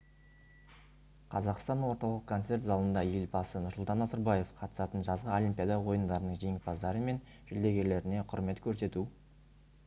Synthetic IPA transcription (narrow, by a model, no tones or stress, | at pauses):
qʰɑzɑqst̪ɑnwo̞ɾt̪ɑlˠəqkʰːo̞nt̪se̞ɾt̪zɑlˠənd̪ɑje̞lbɑsənʊɾsʊlˠt̪ɑnɑzɑɾbɑje̞fqʰɑt̪ə̥sɑt̪ənʒɑzʁəolimpʲijad̪ɑwo̞jənd̪ɑɾənəɴʒeŋɪpɑzd̪ɑɾəme̞n | ʒ̥ʏld̪e̞ɡʲe̞ɾle̞ɾɪne̞qʰʊɾme̞t̪kʲʰɵɾse̞t̪u